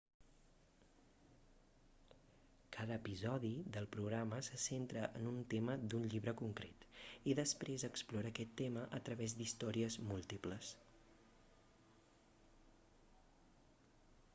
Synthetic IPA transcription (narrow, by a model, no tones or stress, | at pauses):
kʰaðəːpizɔðiðəlˠpɾuɣɾaməsəsent̪ɾəʔənunt̪eməd̪unʎiβɾəkuŋkɾet̪iðəspɾezəksploɾəːkɛt̪ːeməʔət̪ɾəβezd̪ist̪ɔɾiəzmulˠt̪ipləs